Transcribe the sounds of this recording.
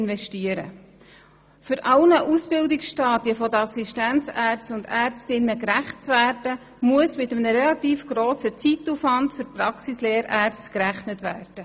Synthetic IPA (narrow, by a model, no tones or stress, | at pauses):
nʋɛʃtiəɾə̰ | fʏɾʔɑlnəʔusb̥ɪldɪksʃtɑːdjəfɔd̪əɑsiʃtænt͡sæːrt͡sstʊndæːrt͡stɪnːəkɾæχt͡sʋæːrd̥ə | muəsmɪt̪əmnəɾɛlɑt̪iːfɡ̥ɾoːsət͡sitːufʋɑntfʏɾprɑksisleːɾæːrt͡stkɾæχnətʋæ̰ːrd̥ə